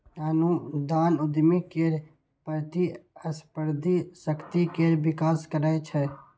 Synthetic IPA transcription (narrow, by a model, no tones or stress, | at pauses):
anũd̪aːnʊd̪mikeːɾ | pəɾt̪iəspəɾd̪ʱisəkt̪ikeːɾbɪkaːskəɾaet͡ʃʰɛ